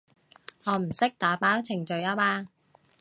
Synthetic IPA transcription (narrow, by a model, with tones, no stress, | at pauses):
ŋɔː˨˧m̩˨˩sɪ˥k̚t̪aː˨˧˥paː˨˥wt͡sʰɪ˨˩ŋt͡ʃɵ˨˧ɥaː˧˥maː˧